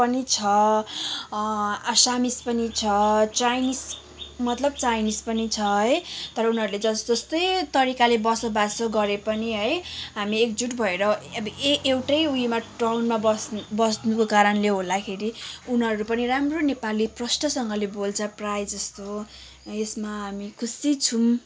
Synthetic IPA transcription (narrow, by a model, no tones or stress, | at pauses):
pʌnit͡sʰʌ | asamispʌnit͡sʰʌt͡sajnis | mʌt̪lʌb̚t͡sajnispʌnit͡sʰʌɦʌjt̪ʌɾʌunɦʌɾuled͡zʌd͡zʌst̪ʌjt̪ʌɾikalebʌsʌbasʌɡʌɾepʌniɦʌjɦamiek̚d͡zuʈbʱʌeɾʌʌbeewʈʌjujmaʈrawnmabʌsbʌsnukokaɾʌnleɦold̪akʰeɾiunɦʌɾupʌniramronepaliprʌsʈʌsʌŋɡʌlebolt͡sʰʌprajd͡zʌst̪o | esmaɦamikʰusit͡sʰum